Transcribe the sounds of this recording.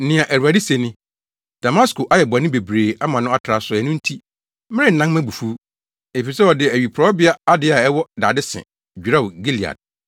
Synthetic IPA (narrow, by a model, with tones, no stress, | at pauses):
n̩˦nɪ̃˨ã˨ʔæ˨ɾu˨a˨dɪ˦se˨nɪ̃˦ | d̥a˨mã˦skʊ˨ʔa˨jɛ˨bʊ˨a˨nɪ̃˦be˨bɾeː˨a˦mã˨nʊ̃˦a˦tʰɾa˨sʊ˨ɛ˨nʊ̃˦n̩˦tʰi˦ | mɪ̃˦ɾɪ̃˦n̩˨nã˦ŋmæ̃˦bu˨fu˦ | e˨fi˨sɛ˦ɔ˨dɪ˨æ˨ɥi˨pʰɾɔ˨˦bɪ˦a˦a˦dɪ˦a˨ɛ˦wɔ˦da̰ː˨dɪ˦sɪ̰̃˨ | d͡ʑᶣi˨ɾa˦wɡi˦li˨a̰˨d̚